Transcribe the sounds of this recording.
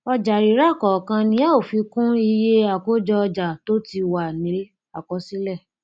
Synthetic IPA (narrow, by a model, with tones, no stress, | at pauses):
ɔ˧d͡ʒa˨ɾi˨˦ɾa˦˨kɔ˨kã˧nĩ˦a˦o˨fi˧˦kũ˦i˧je˦a˨ko˦d͡ʒɔ˧ɔ˧d͡ʒa˨to˦ti˧wa˨nĩ˨˦ | a˨kɔ˨˦si˦lɛ˦˨